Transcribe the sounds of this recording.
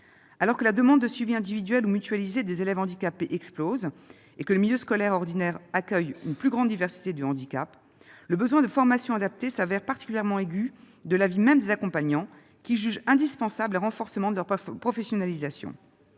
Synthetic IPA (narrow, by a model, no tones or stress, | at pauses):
alɔʁkəlad̪əmɑ̃d̪ːəsɥiviɛ̃d̪ivid̪ɥɛlumyt̪ɥalized̪ezelɛvɑ̃d̪ikapeʔɛksploz | ekələmiljøskɔlɛʁɔʁd̪inɛʁakʲœjynplyɡʁɑ̃d̪ːivɛʁsi̥t̪ed̪əɑ̃d̪ikʲa̰p | ləbəzwɛ̃d̪əfɔʁmasjɔ̃ad̪ap̚t̪esavɛʁpaʁt̪i̥kʲyljɛʁmɑ̃eɡʲy | d̪əlavimɛmd̪ezakɔ̃paɲɑ̃ | kʲiʒyʒɛ̃d̪ispɑ̃sabləʁɑ̃fɔʁsəmɑ̃d̪əlœʁpχɔfesjɔnalizasjɔ̰̃